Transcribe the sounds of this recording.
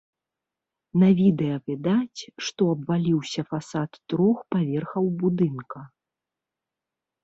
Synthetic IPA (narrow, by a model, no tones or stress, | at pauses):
nɐvʲid̪ɛjɐvʲɛd̪at͡sʲʂt̪ɔɐbvalʲiwsʲɐfasat̪ːɾɔxpavʲɛrxɐwbud̪ɨnkɐ